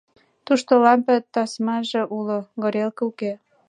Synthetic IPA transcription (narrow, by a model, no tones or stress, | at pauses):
t̪uʃt̪olɑmpĕt̪ɑsmɑʒĕʔuloɣɤ̆ɾelkɤuke